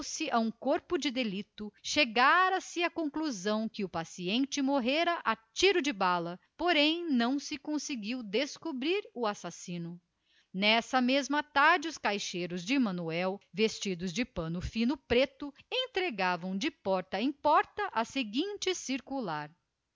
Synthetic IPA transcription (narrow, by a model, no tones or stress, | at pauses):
sɪʔaũkoɾpʊd͡ʒɪd̪elit̪ʊʃeɡaɾɐsɪɐkõkluzɐ̃w̃kɪʊpasiẽnt͡ʃɪmoɦeɾɐʔat͡ʃiɾʊd͡ʒɪbalɐpoɾẽj̃nɐ̃w̃sɪkõsɪɡiwd̪eskubɾiɾʊasasĩnʊ | nɛsɐmezmɐt̪aɾd͡ʒɪʊskajʃejɾʊzd͡ʒɪmɐ̃nuɛwvest͡ʃid̪ʊzd͡ʒɪpɐ̃nʊfĩnʊpɾet̪ʊẽt̪ɾeɡavɐ̃w̃d͡ʒɪpɔɾt̪ɐẽj̃pɔɾt̪ɐʔɐseɡĩnt͡ʃɪsiɾkulaɾ